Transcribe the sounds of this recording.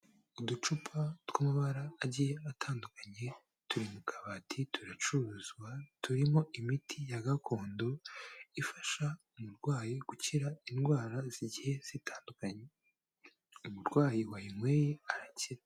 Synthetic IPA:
udut͡ʃupʰatwamuβaɾaːɟijeatʰaːndukaɲe̞ | tuɾimukʰaβaːtʰitʰuɾat͡ʃuɾuzɡwatuɾimo̞ʔimitʰijaɡako̞ːndo̞ifaʃaumuɾɡwaːjiɡ̥uciɾainɡwaːɾaz̥iɟihe̞z̥itaːndukaɲe | umuɾɡwaːjiwajiŋwe̞ːjeaɾaciɾa

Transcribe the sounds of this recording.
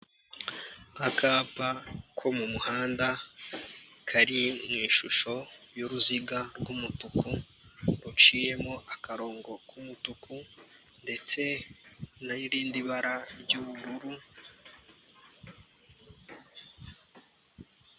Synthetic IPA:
akʰaːpakʰo̞mumuhaːnda | kʰaɾimŋiːʃuʃo̞joɾuziɡaɾɡumutuku | ɾut͡ʃiːje̞moʔakaɾo̞ːŋɡo̞kʰumutukʰu | nde̞t͡se̞ | naiɾiːndiβaɾaɾɟuβuɾuɾu

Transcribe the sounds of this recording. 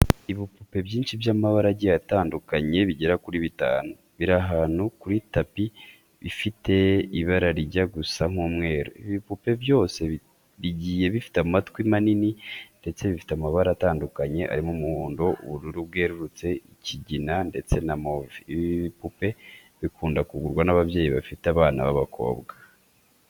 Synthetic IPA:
iβipupe̞bɟiːnʃivjaːmaβaɾaɟijataːndukaɲe̞βiɟeɾakuɾiβita̰ːnu | βiɾaɦaːn̥hukuɾitapi | βifitʰe̞iβaɾaɾiɟaɡusaŋ̥uːmŋe̞ːɾo̰iβipupe̞βjo̞ːse̞ | βiɟije̞βifi̥tamatkimanininde̞t͡se̞βifi̥tamaβaɾataːndukaɲe̞ʔa̰ɾimumuhuːndo̞ʔuβuɾuɾuβɡe̞ːɾuɾut͡se̞iciɟinande̞t͡se̞namoviβiiβipupe̞ | βikuːndakuɡuɾɡwanaβaβje̞ːjiβa̰fiteaβaːna̰βaβakʰo̞̰ːbɡa

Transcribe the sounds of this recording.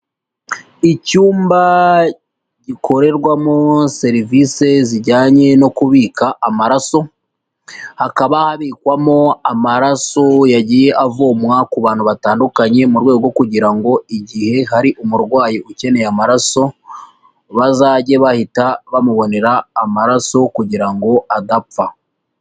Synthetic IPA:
icuːmba | ɟikʰo̞ɾe̞ɾɡwamo̞se̞ɾivise̞ziɾɟaːɲe̞no̞kuβiːkaʔːmaɾaso̞ | hakaβahaβiːkwamo̞amaɾaso̞jaɟiːje̞ʔavoːmwakuβaːnhuβataːndukaɲe̞muɾɡwe̞ːɡɡo̞kuɟiɾaŋɡo̞iɟihe̞ɦaɾiʔumuɾɡwaːjiʔuce̞ne̞jamaɾaso̞ | βazaːɟe̞βahitaβamuβo̞ne̞ɾaːmaɾaso̞kuɟiɾaŋɡo̞adap͡fa

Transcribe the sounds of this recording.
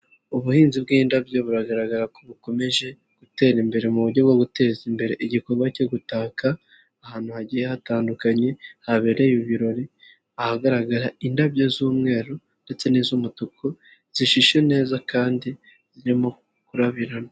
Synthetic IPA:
uβuhiːnzibɡiːndabjo̞βuɾaɡaɾaɡaɾako̞βuko̞me̞ʒe̞ | ɡ̥ute̞ːɾimbe̞ɾe̞muβuɾɟo̞bɡoɡute̞ːzimbe̞ɾe̞ʔiɟiko̞ɾɡwaceɡutaːkaː | haːn̥huhaɟijehataːndukaɲe̞haβeɾe̞juβiɾo̞ɾi | ahaɡaɾaɡaɾaindabjozuːmŋe̞ːɾo | nde̞t͡se̞nizumutukʰo | z̥iʃiʃe̞ne̞ːzakaːndi | z̥iɾimo̞ | kuɾaβiɾana

